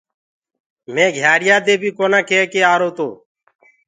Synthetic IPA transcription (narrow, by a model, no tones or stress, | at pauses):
mẽːɡʱjaːɾɪjaːd̪eːbʱiːkoːnãːkeːkeːaːɾoːt̪oː